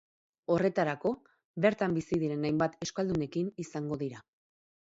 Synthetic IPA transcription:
o̞re̞t̪aɾako̞ | βe̞ɾt̪ambisiðiɾe̞najmbat̪e̞skald̪une̞kinisaŋɡo̞ðiɾa

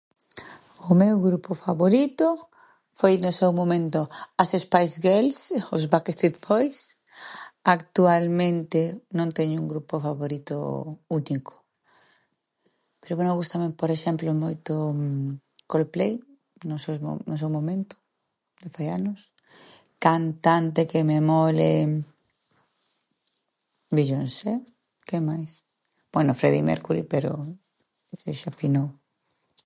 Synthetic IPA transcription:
ʊmewɣɾupʊfaβoɾit̪ʊ | fojnʊsewmomẽnt̪ʊasespajsɣelsʊzβakest̪ɾit̪pojs | akt̪ualmẽnt̪ɪnõnt̪ɛɲʊuŋɡɾupofaβoɾit̪ʊ̰unikʰʊ̥ | peɾoβwenoɣust̪amepoɾeʃɛmplomojt̪o | kolplej | nosḛnos̬ewmomẽnt̪ʊ̥ | d̪efajanʊs | kant̪ant̪ekememɔle | biʎonsɛ | kemajs | b̥wɛnofɾeðḭmḛɾkuɾḭpeɾo̰ | seʃafinow

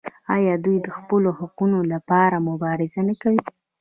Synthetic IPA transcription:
ɑjɑd̪ujd̪əxpəlohaqunolapɑɾamʊbɑɾɪzanakawi

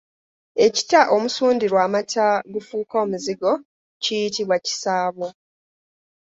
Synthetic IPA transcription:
e̞ci̥taʔo̞musuːndiɾwaːmatʰaɡufuːko̞ːmuziɡo̞ | cijitiβwaci̥saːβo̞

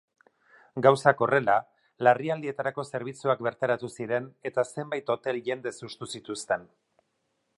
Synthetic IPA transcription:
ɡawsako̞re̞la | lariald̪ie̞t̪aɾako̞se̞ɾβ̞it͡suak̚be̞ɾt̪aɾat̪usiɾe̞ne̞t̪ase̞mbajt̪o̞t̪e̞lʝe̞nd̪e̞sust̪usit̪ust̪e̞n

